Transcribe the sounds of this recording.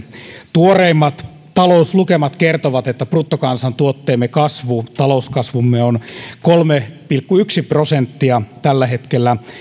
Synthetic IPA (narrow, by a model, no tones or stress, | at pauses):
t̪uoreimːɑt̪ | t̪ɑlouslukemɑt̪kert̪oʋɑt̪et̪ːæprut̪ːokɑnsɑnt̪uot̪ːeːmːekɑsʋut̪ɑlouskɑsʋumːeonkolmepilkːuyksiprosent̪ːiɑt̪ælːæhet̪kelːæ